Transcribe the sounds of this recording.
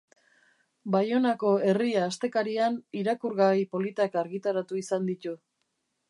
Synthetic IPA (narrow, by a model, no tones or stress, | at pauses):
bajo̞nako̞e̞riaːst̪e̞kaɾianiɾakuɾɣajpo̞lit̪akaɾɣit̪aɾat̪uisand̪it̪u